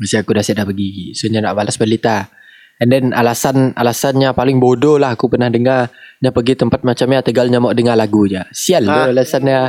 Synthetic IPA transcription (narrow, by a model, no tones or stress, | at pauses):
məsiakudasiat̪daʔpəɡisuɲadaʔbalasbəlit̪a | əndɛnalasana̰lasanɲapalɪŋbodolahakupərnahdəŋarɲapəɡit̪əmpat̪̚mat͡ʃamɲat̪əɡalɲamɔʔdəŋarlaɡuɲasialualasanɲa